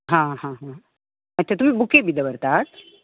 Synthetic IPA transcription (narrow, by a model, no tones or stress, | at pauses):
ɦãɦãɦã | mətːt͡ɕat̪umiːbukebid̪əʋəɾt̪at̪